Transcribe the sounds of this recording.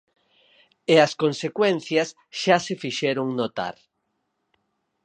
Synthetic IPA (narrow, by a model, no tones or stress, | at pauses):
eɐskonsekwɛnθjɐs | ʃasefiʃɛɾoŋnot̪a̰ɾ